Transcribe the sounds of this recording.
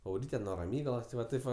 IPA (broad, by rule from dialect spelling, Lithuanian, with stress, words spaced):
ɐʊˈrʲiːtʲɛ nuɔ rɐˈmʲiːɡɐlˠoːs tʲɪ ˈʋɐ ˈtɐɪp ʋɐ